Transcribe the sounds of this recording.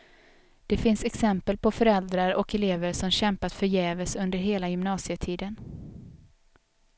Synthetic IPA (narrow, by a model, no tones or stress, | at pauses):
d̪̥ɛfɪnsɛksɛmpəlpʰɔfœɾɛld̪ɾaɾɔkɛleːvəɾsɔmɕɛmpat̪fœɾjɛːvəsɵnd̪əɾɦeːlajʏmnɑːsɪət̪ʰiːd̪ən